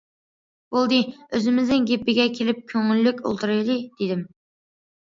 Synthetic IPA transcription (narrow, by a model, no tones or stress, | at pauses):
bolˠd̪ɨøzɪmɪznɪŋɡʲepːɪɡʲɛkʲʰelɪp̚kʲʰøŋylːykʲo̰lˠt̪ʰɨɾɨjd̪ɨd̪̥ed̪ɪm